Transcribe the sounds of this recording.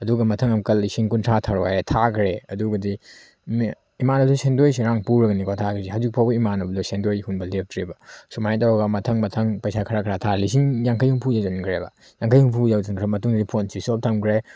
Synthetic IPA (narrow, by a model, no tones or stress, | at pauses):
ɐduɡɐmɐtʰɐŋɐmkɐlːisiŋkuntʰatʰaɾo̰aɾetʰakʰɾeɐduɡɐdi | m | imanɐbɐdɔsendojs̬iɾaŋpuɾɐɡɐnikʰatʰakʰɾesihɦawzik̚pʰawbɐimanɐbɐdusendojhunbɐlep̚tʰɾebɐsumantawɐɡɐmɐtʰɐŋmɐtʰɐŋpɐjsakʰɐɾakʰɐɾatʰalisiŋjaŋkʰajhuŋpʰujawzɐnkʰɾebɐ̰ | jaŋkʰɐjhuŋpʰujawzɐnkʰɾemɐtuŋɾipʰonsisop̚tʰɐmkʰɾe